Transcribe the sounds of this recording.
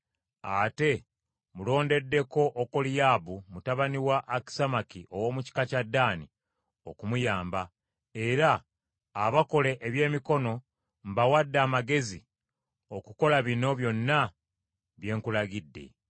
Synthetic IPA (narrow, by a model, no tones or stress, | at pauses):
ate̞ | mulo̞ːnde̞dːe̞ko̞ʔokolijaːbumutaβaniwaʔːki̥samakiʔo̞wo̞ːmuci̥kacadːaːni | o̞kumujaːmba | e̞ɾaː | βako̞le̞ʔeβje̞ːmiko̞no̞ | m̩bawadːaːmaɡe̞zi | okuko̞laβino̞βjo̞nːa | βje̞ːŋkulaɡidːe̞̰